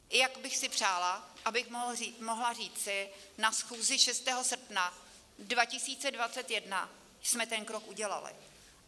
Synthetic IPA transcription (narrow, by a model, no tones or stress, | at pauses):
jakbɪxsɪpr̥aːlaʔabɪxmimoɦlariːt͡sɪnasxuːzɪʃɛst̪ɛːɦosr̩pna | dvacɪsiːt͡sɛdvat͡sɛt̪jɛdna̰ | smɛt̪ɛnkɾokʔuɟɛla̰lɪ̰